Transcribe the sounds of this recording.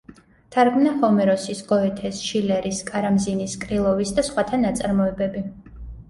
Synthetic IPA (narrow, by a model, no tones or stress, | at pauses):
t̪ʰaɾɡmnahɔmɛɾɔsisɡ̥ɔɛt̪ʰɛsʃilɛɾiskʼaɾamziniskʼɾilˠɔvisd̪asχwat̪ʰanat̪sʼaɾmɔɛbɛbi